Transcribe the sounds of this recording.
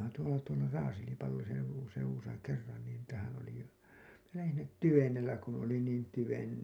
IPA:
tuolɑ tuolɑ rɑːselipɑlːosen seuwusɑ kerːɑn nin niːtæhæn oli minæ læhin sinːet tyʋenelːæ kun oli niːn tyʋen

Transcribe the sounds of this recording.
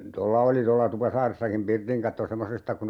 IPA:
tolːɑ oli tolːɑ tupɑsɑːresːɑkim pirtiŋ kɑtːo semːosestɑ kun

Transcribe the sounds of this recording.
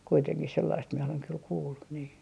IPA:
kuiteŋkih selːɑist mie oleŋ kyl kuːlːu niː

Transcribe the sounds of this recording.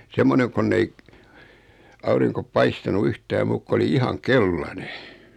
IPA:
semːoneŋ konː ei ɑuriŋko pɑistɑnu yhtæː muːk ko oli ihɑŋ kelːɑne

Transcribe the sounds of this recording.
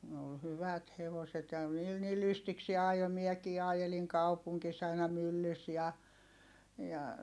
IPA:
ne ol hyʋæt heʋoset jɑ niːl ni lystiksie ɑjo miɛkiː ɑjeliŋ kɑupuŋkis ɑinɑ mylːys jɑ jɑ

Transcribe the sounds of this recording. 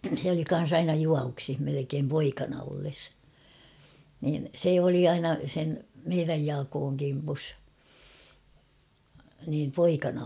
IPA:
sĕ oli kɑn̞s ɑinɑ juɑʋuksih melekeːm poikɑnɑ olːes niːn se oli ɑinɑ sen meiræj jɑːkoːŋ kimpus niːm poikɑnɑ

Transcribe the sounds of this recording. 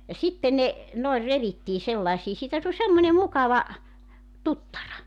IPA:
jɑ sitːen ne noer reʋitːiː selːɑĕsiː siːtæ tulʲ semːonʲe mukɑʋɑ tutːɑrɑ

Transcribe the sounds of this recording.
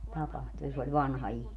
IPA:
tɑpɑhtu jɑ se olʲ ʋɑnhɑ ihmiː

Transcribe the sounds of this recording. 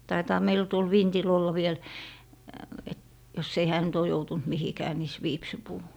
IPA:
tɑitɑː meilæ̆ tuol ʋintil olːɑ ʋiel et jos ei hæː nyt oː joutunt mihikæː mis ʋiːpsipuː

